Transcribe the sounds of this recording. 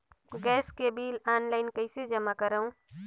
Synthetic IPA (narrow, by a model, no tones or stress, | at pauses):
ɡɛːskebiːlaːnlaːɪnkəɪsed͡ʒəmakəɾəũ